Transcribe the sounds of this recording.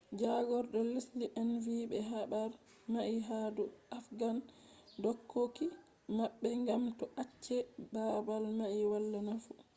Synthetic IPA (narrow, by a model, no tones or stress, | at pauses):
d͡ʒaɡɔɾɗɔlisliʔɛnvibɛɦabaɾ | maʔiɦaduʔafɡan | dɔkʰːoki | maɓːɛŋɡamtɔʔat͡ʃːɛbabalmaʔiwalːanafu